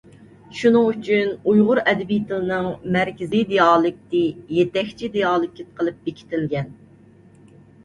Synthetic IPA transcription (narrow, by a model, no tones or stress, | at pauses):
ʃunɨŋyt͡ʃʰynujʁʊɾɛd̪ɪbijt̪ʰɨlɨnɨŋmæɾkʲɪzid̪ejɑːlˠɨk̚ʲt̪ɪjet̪ɛkʲt͡ʃʰid̪ejɑːlˠɨkʲːit̪̚qʰəlˠɨp̚bekʲʰi̥t̪ʰɪlɡʲɛn